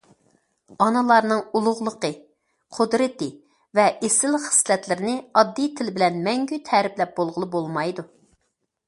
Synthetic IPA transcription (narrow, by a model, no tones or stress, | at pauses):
ɑnɨlˠɑɾnɨŋulˠʊʁlˠəqə | qʰʊd̪ɾɨt̪ɪ | vɛʔesɪlχɪ̥slɛt̪lɪɾɪnɪɑd̪ːijt̪ʰɪlɪbɪlɛnmɛŋɡʲyt̪ʰɛɾɪplɛp̚bolˠʁəlˠɨbolˠmɑjd̪u